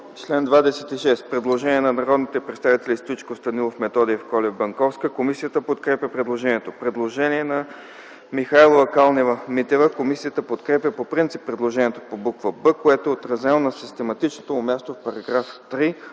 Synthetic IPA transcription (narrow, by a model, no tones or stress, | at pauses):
t͡ʃlɛnd̪vad̪ɛsɛt̪iʃɛst̪pɾɛd̪lˠoʒɛniɛnɐnɐɾɔd̪nit̪ɛpɾɛt̪st̪avit̪ɛlʲist̪oit͡ʃkost̪ɐnilˠofmɛt̪ɔd̪iːfkɔlʲɛbɐŋkɔfskəkomisijət̪əpot̪kɾɛpʲjəpɾɛd̪lˠoʒɛnʲiɛt̪opɾɛd̪lˠoʒɛniɛnɐ | mixajlˠovəkalˠnɛvəmit̪ɛvəkomisijət̪əpot̪kɾɛpʲjəpopɾint̪sipːɾɛd̪lˠoʒɛniɛt̪opobukvəbɤkoɛt̪oot̪ɾɐzɛlˠonɐsist̪ɛmɐt̪it͡ʃnot̪oʊmʲjast̪ofpɐɾɐɡɾaft̪ɾi